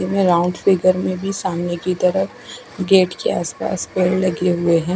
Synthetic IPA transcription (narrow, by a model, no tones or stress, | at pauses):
imẽɾaʊ̃ɳɖfɪɡəɾmẽbʱisaːmnekit̪ɐɾəf | ɡeːʈkeaːspa̰ːspeːllɐɡeɦʊeɦɛ̃ː